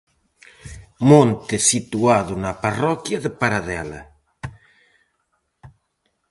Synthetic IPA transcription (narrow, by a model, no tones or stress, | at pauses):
mõnt̪ɪsit̪uaðʊnaparɔkjɐðepaɾaðɛlɐ̰